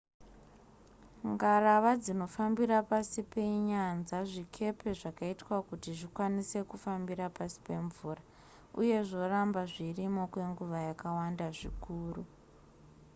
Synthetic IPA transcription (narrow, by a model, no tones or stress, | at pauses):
ŋɡaraʋad͡zino̞fambiɾapasipe̞ɲanzaʐikʰe̞pe̞ʐakaitwakutiʐikwanise̞kufambiɾapasi̥pe̞ɱvuːra | uje̞ʐo̞rambaʐirimo̞kwe̞ŋɡuʋajakawandaʐḭkuːru